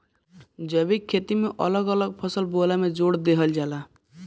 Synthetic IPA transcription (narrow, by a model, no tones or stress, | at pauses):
d͡ʒəbikʰːet̪imeʔə̰ləɡələɡ̚pʰəsəlbolamed͡ʒoɽd̪eɦəld͡ʒala